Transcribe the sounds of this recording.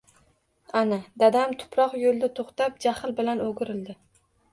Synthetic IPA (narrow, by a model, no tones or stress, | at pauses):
anad̪ad̪amt̪ʰʊ̥pʰɾɒqjolˠd̪at̪ʰoχt̪ap̚d͡ʒahɪlbɪlanoɡʲɪɾɪld̪ɪ